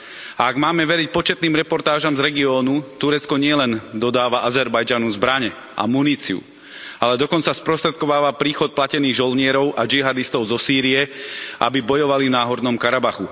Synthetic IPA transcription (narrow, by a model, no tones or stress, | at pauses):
aaɡmaːmɛʋɛɾic̚pɔt͡ʃɛt̪niːmɾɛpɔɾt̪aːʒamzɾɛɡiɔːnut̪uɾɛt͡skɔɲɪɛlɛnd̪ɔd̪aːʋaʔazɛɾbajd͡ʒanuzbɾaɲɛ | ʔa̰muniːt͡siṵ | alɛd̪ɔkɔnt͡saspɾɔst̪ɾɛt̪kɔʋaːʋapɾiːxɔt̪̚placɛniːɣʒɔlɲɪɛɾɔʊʔad͡ʒiɦad̪ist̪ɔʊzɔsiːɾiɛʔa̰bibɔjɔʋalivnaːɦɔd̪nɔmkaɾabaxu